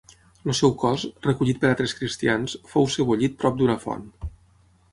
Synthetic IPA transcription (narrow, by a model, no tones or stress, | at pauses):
losɛwkɔzrəkuʎit̪̚pəɾat̪ɾeskɾist̪iansfowsəβuʎit̪̚pɾɔp̚d̪unəfɔ̰n